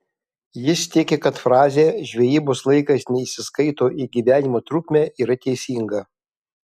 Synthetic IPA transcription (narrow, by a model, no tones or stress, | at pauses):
jɪst̪ʲɪkʲekɐt̪fɾɑːzʲeːʒʲʋʲɛjiːboːslˠɐɪkɐsnʲɛɪʃʲsʲɪskɐɪt̪oːʔiːɡʲiʋʲæːnʲɪmoːt̪ɾʊkʲmʲæːʔiːɾɐt̪ʲɛɪsʲiːŋɡɐ